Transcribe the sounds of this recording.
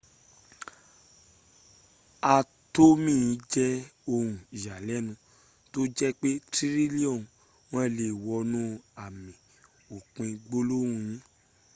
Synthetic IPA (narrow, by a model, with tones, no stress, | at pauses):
a˧ | to˦mĩ˦˨˧d͡ʒɛ˦o˧hũ˨i˨ʃa˨lɛ˨˦nũ˧ | to˦d͡ʒɛ˦k͡pe˦tɾi˦ɾi˦li˦ɔ̃˦˨ | w̃ɔ̃˦˨le˧˨wɔ˧nũ˦a˨mĩ˨ | o˨k͡pĩ˧ɡ͡bo˦lo˦ũ˧jĩ˦